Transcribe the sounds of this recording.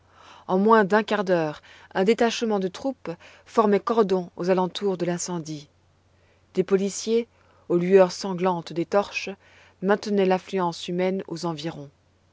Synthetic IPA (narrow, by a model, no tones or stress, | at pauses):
ɑ̃mwɛ̃d̪ɛ̃kaʁd̪œːʁ | ɛ̃d̪et̪aʃmɑ̃d̪ət̪χup | fɔʁmɛkɔʁd̪ɔ̃ozalɑ̃t̪uʁd̪əlɛ̃sɑ̃d̪i | d̪̥epɔlisje | olyœʁsɑ̃ɡlɑ̃t̪d̪et̪ɔʁʃ | mɛ̃t̪nɛlãflyɑ̃symɛno̰zɑ̃viʁɔ̃